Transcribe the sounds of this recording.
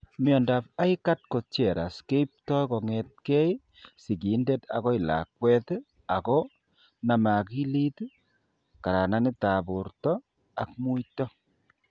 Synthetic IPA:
mjɔ˨nda˨pa˦i˦ka˦t̚ko˨t͡ʃjɛ˨ɾa̰˨ske˦p̚tɔ˦jkɔ˨ŋɛt̚kɛ˦j | si˨ki˨˦nde˦ta̰˨kɔ˦i˨la̰˨k̚wɛ˦t | a˨kɔ˦ | na˨ma˨ki˦li˦tu | ka˨ɾa˨na˦ni˦ta˨bo˨ɾtɔ | a˨k̚mu˦itɔ˦

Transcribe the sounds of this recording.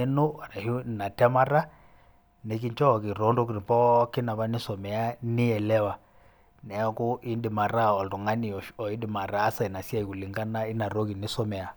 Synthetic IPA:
e˦no˦a˨ɾa˨hu˦˨na˨tɛ˦ma˦ɾa˦ | ne˨k̬i˦ɲt͡ʃɔ˦˨ki˨ɾɔ˨˦ndo˦ki˨ɾi˨pɔ˦kɪ˦na˨βa˦nɪ˦sɔ˨mɛ˨a˦nɪ˦ɛ˨lɛ˦wa˨ | nɛ˨ɔ˦ku˦ʔi˦ndɪ˨ma˨ɾa˦ɔ˨ltu˨ŋa˦ni˨ɔ˨i˦dɪ˨ma˨ɾaː˦sa˨i˨na˨sja˦i˨ku˨li˨ŋɡa˦na˦ɪ˦na˨ɾo˦ki˨nɪ˦sɔ˦mɛ˨a˨

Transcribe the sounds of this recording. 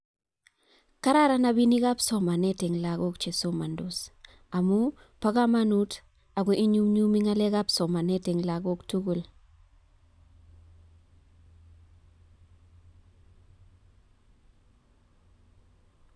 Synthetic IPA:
ka˦ɾa˦ɾa˦na˨bi˦ni˦ka˦psɔ˦ma˨nɛ˦tɛ˨ŋla˨ɡo˦kt͡ʃe˨so˦ma˨ndos | a˨mu˦ | pa˦ka˦ma˦nu˦t | a˨ɡ̬we˨i˦ɲu˦mɲu˦mi˦ŋa˦le˦ka˦psɔ˨ma˨nɛ˦tɛ˨ŋla˨ɡo˦ktu˦ɡu˨l

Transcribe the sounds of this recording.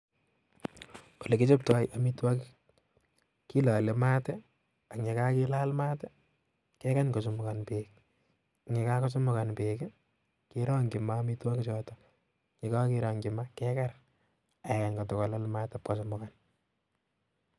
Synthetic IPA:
o˨le˨kɪ˦t͡ʃɔ˦p̚tɔ˨jʔamitwa˦k | ki˦la˨le˨ma˦tɛ | a˨kɲe˨ka˦kila˦lma˦tɛ˦ | kɛka˦ɲkos̬u˨mʊ˨kanpeːk̚ | ŋe˨ka˦kɔs̬ʊ˦mʊka˨npeːk | kiɾɔ˦ŋɡɪ˨maːmitwa˦kit͡ʃɔtɔ | ɲe˨ka˦kɪɾɔŋɡɪmakɛkar | a˨ɛ˨ka˨ɲkɔ˨tɔ˨kɔ˨lalma˦ta˨p̚kas̬ɔmʊkan

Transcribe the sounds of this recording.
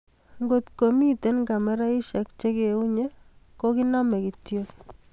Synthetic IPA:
ŋɡo˨t̪ko˨mi˦te˦nka˨mɛ˦ɾa˦i˦ʃa˨k̚t͡ʃe˦ke˨u˦ɲe˦ | ko˦ki˦nɔ˦mɛ˨ki˨tjo˦k

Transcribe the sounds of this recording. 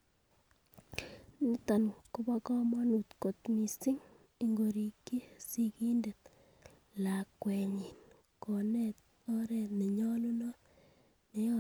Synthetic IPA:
nɪ˦t̪a˨nkʊ˦ba˦kɔ˦mɔ˦nu˨t̪ko˨t̪mi˨sɪ˦ŋ | i˦ŋɡo˨ɾi˨kːi˦si˦ki˦nde˨t̪̚ | la˨kːwɛ˨ɲi˨n | ko˨nɛ˦t̪̚ | ɔ˦ɾɛ˨ne˨ɲɔ˦lu˦nɔ˦ | ne˨ɔ˦

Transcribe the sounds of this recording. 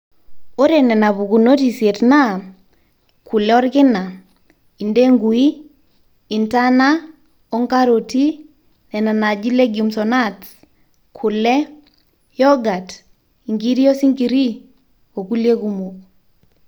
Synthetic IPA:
o˦ɾe˨nɛ˨na˨βu˨ku˨no˦ti˨se˨tna˦˨ | kʰu˨lɛ˦ɔ˦ɾkɪ˦na˨ | i˨nde˦ŋɡu˨i˦ | i˨nta˦na˦ | ɔ˦ŋka˦ɾo˨ti˦ | nɛ˨na˨na˨d͡ʒi˦le˦ɡu˨msɔ˨na˦t | kʰʊ˨lɛ˦ | jɔ˦ɡa˨t | i˨ŋɡi˦ɾi˦o˦si˦ŋɡi˨ɾi˦ | o˨ku˦lje˦ku˦mu˨k̚

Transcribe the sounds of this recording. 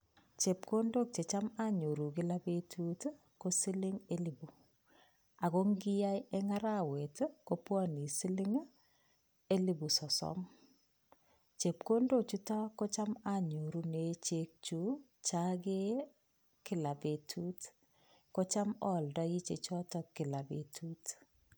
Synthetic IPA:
t͡ʃe˨p̚ko˦ndo˦k̚t͡ʃe˨t͡ʃa˦ma˦ɲo˨ɾu˨ki˦la˦be˦tʰu˦t | ko˦si˦lɪ˦ŋe˦li˨bu˨ | a˨ko˦ŋɡi˦ja˦jɛ˦ŋa˦ɾa˦we˨tko˦pwɔ˦ni˨si˦lɪ˦ŋ | e˦li˨bu˨sɔ˨sɔ̰˦m | t͡ʃe˨p̚ko˦ndo˨t͡ʃu˦ta˦ko˦t͡ʃa˦ma˨ɲo˨ɾu˦ne˨t͡ʃe˦k̚t͡ʃu˦ | t͡ʃake˦ | kɪ˦˨la˨be˨tʰu˦t | ko˦t͡ʃa˦mɔ˨ldɔ˦i˦t͡ʃe˨t͡ʃɔ˦tɔ˨ki˨la˨be˨tʰu˦t

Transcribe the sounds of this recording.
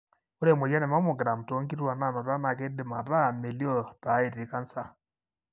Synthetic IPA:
u˦ɾe˨mo˨ja˦nɛ˨ma˦mu˨ɡɾa˨m˨to˨˦ŋɡi˦ɾwa˨na˨nɔ˨ɾa˦na˨ke˦dɪ˨ma˨ɾa˦˨me˨li˦ɔ˦ta˨˦e˨ɾi˨ka˦n̩˦sa˦

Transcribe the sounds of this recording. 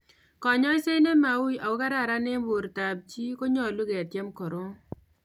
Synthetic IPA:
kɔ˨ɲɔ˦ɪ˦se˦ne˦ma˨wa˨wʊ˦ka˦ɾa˦˨ɾa˦ne˦bo˨ɾta˨b̚t͡ʃi˦ko˦ɲɔ˦˨lu˦ɡe˨a˨tje˦mkɔ˨ɾo˦

